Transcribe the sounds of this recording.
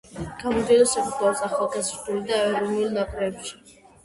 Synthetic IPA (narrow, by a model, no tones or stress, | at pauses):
ɡ̥amɔnd̪ilˠɔsɛpʰk̪ʼɔɾɔsaχalˠkʼɛsɾt̪ʰʼulid̪aɛɾɔnulˠnakʼɾɛːpʃi̥